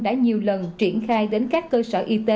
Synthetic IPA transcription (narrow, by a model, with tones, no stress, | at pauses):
ɗa̰ː˧˥ɲi˨˩əwlə˨˩nt͡ɕi˧˩ənxaː˧jɗe˨˦nkaː˦˥kːəː˧səː˧˩ʔi˧t̪e˨˧˦